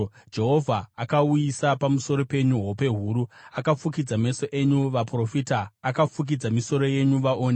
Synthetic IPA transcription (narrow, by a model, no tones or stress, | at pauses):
d͡ʒe̞ɦo̞vʱaːkaujisapamuso̞ɾo̞pe̞ɲuɦope̞ɦuːɾuakafuk̬id͡zame̞so̞ʔe̞ɲuʋapro̞fitaːkafuk̬id͡zamiso̞ɾo̞je̞ɲuʋaʔoːne